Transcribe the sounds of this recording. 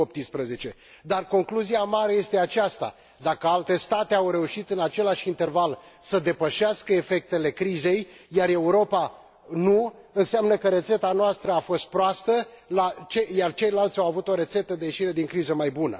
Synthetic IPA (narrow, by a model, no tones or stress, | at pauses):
op̚t̪inspɾəze̞t͡ʃe̞ | d̪arko̞ŋkluziamaɾe̞je̞st̪e̞at͡ʃast̪a̰ | d̪akəalt̪e̞st̪at̪e̞awɾe̞uʃit̪ɨnat͡ʃe̞laʃʲint̪e̞rval | səd̪e̞pəʃaskəefe̞k̚t̪e̞le̞kɾize̞jjare̞uɾo̞pa | nu | ɨnseamnəkəɾe̞t̪se̞t̪anoast̪ɾəafo̞st̪̚pɾoast̪ə | lat͡ʃejart͡ʃe̞jlalt̪sʲawavut̪o̞ɾe̞t̪se̞t̪əd̪e̞je̞ʃiɾe̞d̪iŋkɾizəmajbunə̰